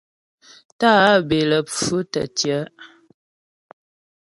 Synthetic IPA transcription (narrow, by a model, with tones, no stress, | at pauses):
ta˦be˨lə˨p͡fu˦tə̰˨tjə˨˦